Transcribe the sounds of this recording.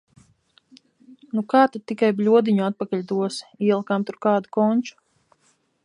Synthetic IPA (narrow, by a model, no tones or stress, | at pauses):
nukaːt̪ad̪̚t̪ːikajblʲuɔd̪iɲuat̪̚pakaʎʲd̪uɔsiɛlˠkamt̪uɾkaːd̪ukɔɲʲt͡ʃu̥